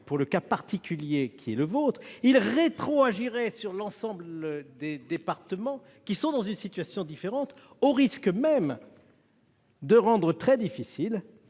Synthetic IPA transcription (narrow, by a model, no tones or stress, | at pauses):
puʁləkapaʁt̪ikʲyljekʰʲiɛləvot̪χilʁet̪χoaʒiʁɛsyʁlɑ̃sɑ̃bləd̪ed̪epaʁt̪əmɑ̃ | kʲisɔ̃d̪ɑ̃zynsit̪ɥasjɔ̃d̪ifeʁɑ̃t̪ | oʁiskmɛm | d̪əʁɑ̃d̪ʁət̪χɛd̪ifisil